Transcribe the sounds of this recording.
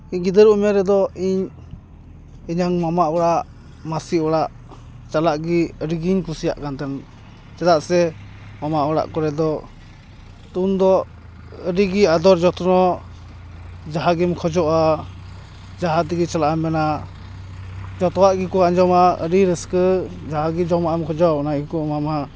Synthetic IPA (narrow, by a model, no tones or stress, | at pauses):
iɲɡid̪əɾumɛɾɛd̪ɔiɲ | iɲaŋmamaʔwɔɽaʔ | masiwɔɽaʔ | t͡ʃalaʔɡiəɾiɡiɲkusija̰ʔkant̪ɛn | t͡ʃɛd̪aʔsɛ | mamaʔwaɽa̰ʔkɔɾɛd̪ɔ | t̪und̪ɔ | əɾiɡiad̪ɔɾd͡ʒɔt̪nɔ | d͡ʒaɦaɡimkʰɔd͡ʒɔʔa | d͡ʒaɦat̪iɡit͡ʃalaʔamɛna | d͡ʒɔt̪ɔwaʔɡikɔaɲd͡ʒɔmaə̰ɾiɾəskəd͡ʒaɦaɡid͡ʒɔmaʔɛmkʰɔd͡ʒɔaɔnaʔɡikɔmama